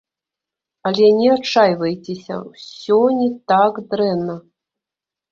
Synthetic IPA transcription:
ɐlʲɛnʲɛat͡ʂajvɐjt͡sʲesʲɐ̰wsʲɔnʲɛt̪akd̪ɾɛnːɐ

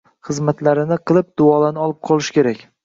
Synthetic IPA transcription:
χɨzmat̪laɾɪnɪqʰɨlˠɪp̚d̪̥ʊɒlanɪɒlˠɪp̚qʰɒlˠɪʃkʲe̞ɾakʲ

